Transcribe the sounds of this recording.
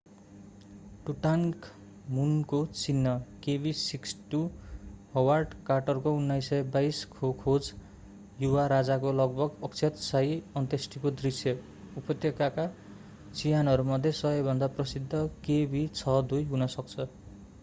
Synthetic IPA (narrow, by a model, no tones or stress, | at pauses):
ʈuʈaŋk | munkot͡sinːʌkebisiksʈuɦʌwarɖkarʈʌrkounːajsʌjbajskʰokʰod͡z | juwaɾad͡zakolʌɡ̚bʌɡʌkt͡sʰʌt̪sajiʌnt̪esʈikod̪risjʌ | upʌt̪jekaka | t͡sijanʌɾumʌd̪ʱjesʌɦʌbʱʌnd̪aprʌsid̪ʱːʌkebit͡sʰʌd̪ujɦunʌsʌk̚t͡sʰʌ